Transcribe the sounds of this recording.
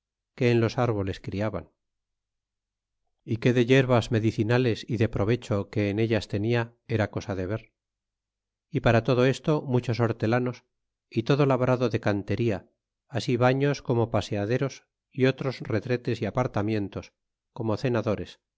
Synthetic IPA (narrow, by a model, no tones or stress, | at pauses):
ke̞ːnlo̞saɾβo̞le̞skɾiaβa̰n | ike̞ðeʎe̞ɾβazme̞ðiθinale̞siðe̞pɾo̞β̞e̞t͡ʃo̞ke̞ːne̞ʎast̪e̞nia | e̞ɾako̞saðe̞β̞e̞ɾ | ipaɾat̪o̞ðo̞e̞st̪o̞mut͡ʃo̞so̞ɾt̪e̞lano̞s | it̪o̞ðo̞laβɾaðo̞ðe̞kant̪e̞ɾiaː | siβaɲo̞sko̞mo̞paseaðe̞ɾo̞s | io̞t̪ɾo̞sre̞t̪ɾe̞t̪e̞siapaɾt̪amjẽ̞nt̪o̞s | ko̞mo̞θe̞naðo̞ɾe̞s